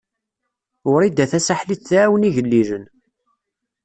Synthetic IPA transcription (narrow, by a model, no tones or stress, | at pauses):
ʊɾid̪æθæsaħliθθæwəniʝəlːiʒən